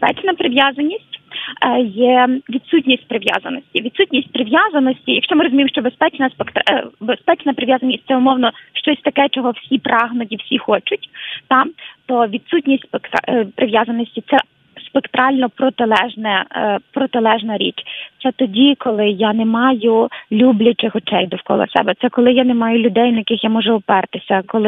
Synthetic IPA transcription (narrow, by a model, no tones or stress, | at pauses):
bspɛ̰t͡ʃnɐpɾɪʋjazɐnʲisʲtʲ | jɛʋʲid̪sutʲnʲisʲt̚ʲpɾɪʋja̰zɐ̰nɔsʲtʲiʋʲid̪sutʲnʲisʲt̚ʲpɾɪʋjazɐnɔsʲtʲijɐkʃt͡ʃɔmɪɾɔzʊmimʃt͡ʃɔbespɛt͡ʃnɐspekt̪bespɛt͡ʃnɐpɾɪʋjazɐnʲisʲt̚ʲtsɛʊmɔwnɔʃt͡ʃɔsʲt̪ɐkɛt͡ʃɔɦɔwsʲipɾʔɑɦnʊt̬ʲiwsʲixɔt͡ʃʊtʲt̪ɑt̪ɔʋʲid̪sutʲnʲisʲtʲspekt̪pɾʔɪʋjazɐnɔsʲtʲit̪sɛ | spekt̪ɾɑlʲnɔpɾɔt̪ɪlˠɛʒnɛpɾɔt̪ɪlˠɛʒnɐɾʲḭt͡ʃt̪sɛt̪ɔdʲikɔlˠɪjanemɑjʊlʲublʲʊt͡ʃɪxɔt͡ʃɛjd̪ɔwkɔ̰lˠɔ̰sɛ̰bɛt̪sɛkɔlˠɪjanemɑjʊlʲʊd̪ɛjnɐjɐkɪxjamɔʒɛɔpɛrt̪ɪsʲɐkɔlˠɪ